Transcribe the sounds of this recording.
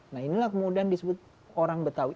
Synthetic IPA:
nainilahkəmudiandisəbʊt̪̚ | oɾaŋbət̪au

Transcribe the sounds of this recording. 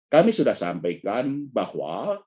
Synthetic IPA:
kamisudahsa̰mpajkanbahwa̰

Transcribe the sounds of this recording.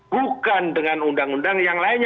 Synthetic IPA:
bukandəŋanundaŋundaŋjaŋlaɪn

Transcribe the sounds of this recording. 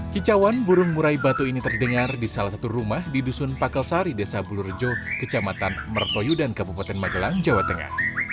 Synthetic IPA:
kit͡ʃawanbuɾʊŋmuɾaibat̪uinit̪ərdəŋardisalahsat̪urumahdidusʊnpakəlsaɾidesabulurd͡ʒokət͡ʃamat̪anmərt̪ɔjudankabupat̪ɛnmaɡəlaŋd͡ʒawat̪əŋa̰h

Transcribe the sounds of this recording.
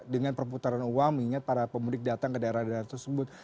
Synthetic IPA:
dəŋanpərput̪aɾanuwaŋmiŋat̪̚paɾapəmulɪk̚dat̪aŋkədaeɾadaɾart̪ərsəbʊt̪̚

